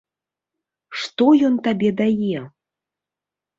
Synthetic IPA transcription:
ʂt̪ɔjɔnt̪abʲɛd̪ajɛ

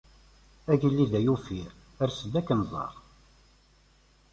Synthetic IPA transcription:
æʝəlːiðæjufiɾ | əɾsəd̪ækːənzˤɑ̰ɾˤ

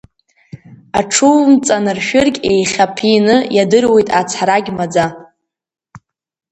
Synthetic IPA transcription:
aʈ͡ʂʰuːmt͡sʼanɨrʃᶣɨrkʲʼe̞jχʲapʰinɨjadɨrwe̞jtʼat͡sʰaɾaɡʲmad͡za

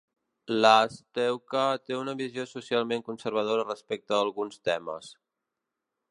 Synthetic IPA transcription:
last̪ɛwkət̪eunəβiziosusialˠmeŋkunsəɾβ̞əðoɾərəspɛk̚t̪əːlˠɣunst̪ɛmə̰s

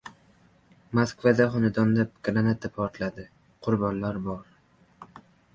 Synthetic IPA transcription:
maskvad̪aχɒnɪd̪ɒnd̪ap̚ɡɾanat̪ʰapʰɒɾt̪ʰlad̪ɪ | qʰʊɾbɒnlaɾbɒɾ

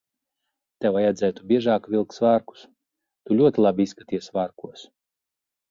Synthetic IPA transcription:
t̪ɛwajad̪zʲɛːt̪ubʲiɛʒaːkvʲilˠksvaːɾku̥s | t̪ulʲuɔt̪ʲilˠabiiskat̪iɛsʲvaːɾkuɔs

